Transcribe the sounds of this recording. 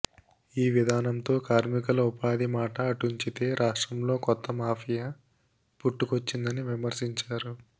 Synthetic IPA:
iːʋid̪ʱaːnɐmt̪o̞ːkaːɾmikɐlupaːd̪imaːʈɐːʈuɲt͡ʃit̪e̞ːɾʔaːʂʈɾɐmlo̞ːkɔt̪ːɐmaːpʰija | puʈːukot͡ʃːind̪ɐniʋimɐɾsiɲt͡ʃaːɾu

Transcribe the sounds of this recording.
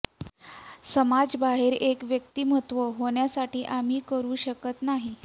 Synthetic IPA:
səmad͡zbaɦeɾekʋjək̚t̪iːmə̤ɦət̪ʋəɦoɳjasaʈiːʔam̤iːkəɾuːɕəkət̪naɦi

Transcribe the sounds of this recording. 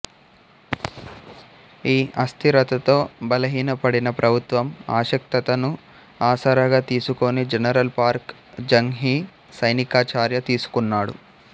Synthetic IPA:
iːɐst̪ʰiɾɐt̪ɐt̪o̞ːbɐlɐɦiːnɐpɐɽinɐpɾʔɐbʱut̪ʋɐma̰ːʃɐk̚t̪ɐt̪ɐnu | aːsɐːɾɐɡaːt̪iːsukonid͡ʒɛnɐɾɐlpaːɾk | d͡ʒɐŋɦiː | sɐjnikaːt͡ʃaːɾjɐt̪iːsu̥kunːaːɽṵ

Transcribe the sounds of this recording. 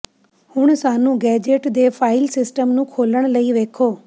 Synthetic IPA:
hũːɽ̃saːnũɡɛːd͡ʑeːʈd̪eːfʰaːɪlsɪsʈəmnũkʰoːləɽ̃ləiʋeːkʰoː

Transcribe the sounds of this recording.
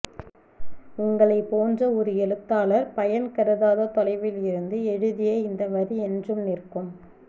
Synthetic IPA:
ʊŋɡɐɭɐɪpːoːndrɐɔɾɯɛlɯt̪ːaːlɐɾpɐjɐnkɐɾɯðaːðoːt̪ɔlɐɪʋɪlɪɾɯnd̪ɯɛɻɯðɪjeːɪnd̪ɐʋɐɾiɛndrɯmnɪrkɯm

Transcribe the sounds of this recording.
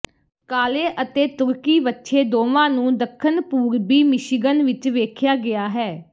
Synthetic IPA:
kaːleːʔət̪eːt̪ʊɾkiːbətːʃʰeːd̪oːʋãːnũːd̪əkʰːənpuːɾbiːmɪʃɪɡənʋɪt͡ʃʋeːkʰjaːɡɪaːɦɛː

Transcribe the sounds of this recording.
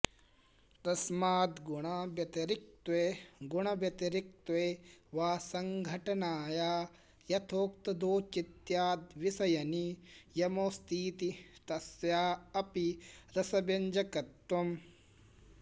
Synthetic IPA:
t̪ɐsmaːd̪ɡuɳɐbjɐt̪ɐɾik̚t̪weːɡuɳɐbjɐt̪ɐɾik̚t̪ʋeːʋaːsɐŋɡʱɐʈɐnaːjaː | jɐt̪ʰoːk̚t̪ɐd̪oːt͡ʃit̪jaːd̪ʋisɐjɐnijɐmoːst̪iːt̪it̪ɐsjaːɐpiɾɐsɐbɐɲd͡ʒɐkɐt̪ːɐm

